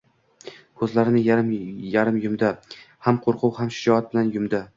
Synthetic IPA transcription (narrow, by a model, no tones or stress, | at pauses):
kʰɵzlaɾɪnɪjaɾmjaɾɪmjʊmd̪a | hamqʰoɾqʰʊwhamʃɪd͡ʒɒat̪̚bɪlanjʊmd̪a